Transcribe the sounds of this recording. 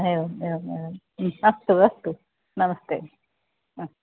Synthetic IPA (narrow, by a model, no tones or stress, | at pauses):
ɦeoeoe | ɐst̪uɐst̪u | nɐmɐst̪ḛː